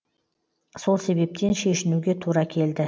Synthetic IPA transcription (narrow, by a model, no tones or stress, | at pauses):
so̞lˠse̞βe̞p̚t̪e̞nʃe̞ʃɪnuɡʲe̞t̪ʰuɾɑkʲʰe̞ld̪ɪ